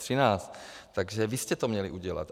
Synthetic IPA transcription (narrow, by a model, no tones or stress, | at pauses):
r̥ɪnaːst̪t̪aɡʒɛvɪscɛt̪omɲɛlɪ̰ʔuɟɛla̰t̪